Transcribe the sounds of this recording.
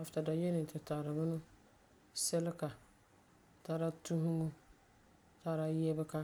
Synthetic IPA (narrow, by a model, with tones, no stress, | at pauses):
a˨fta˨da˨je˦nɪ˨tɪ˨ta˨ɾɪ˨bʊ˦nʊ˦ | sɛ˦lɪ˦ka˨ | ta˦ɾa˦tu˦ɦʊ˦ŋu˦ | ta˦ɾa˦jɛ˦bɛ˦ka˦